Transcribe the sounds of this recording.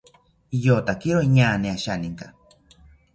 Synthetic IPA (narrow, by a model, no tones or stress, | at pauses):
jot̪akiɾoiɲaːneaʃaniŋka